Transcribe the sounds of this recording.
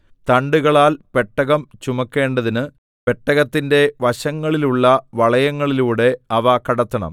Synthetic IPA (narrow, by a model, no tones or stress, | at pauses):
t̪ɐɳɖuɣɐɭaːlpe̞ʈːɐɣɐmt͡ɕumɐkːe̞ːɳɖɐðinɨ | pe̞ʈːɐɣɐt̪ːinde̞ʋɐɕɐŋːɐɭiluɭːɐʋɐɭɐjɐŋːɐɭiluːɽe̞ɐʋɐkːɐɽɐt̪ːɐɳɐ̰m